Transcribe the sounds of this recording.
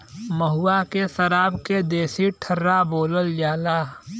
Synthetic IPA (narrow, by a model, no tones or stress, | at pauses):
məɦuakesəɾaːbked̪eːsiʈʰəɾːaboːləld͡ʒaːlaː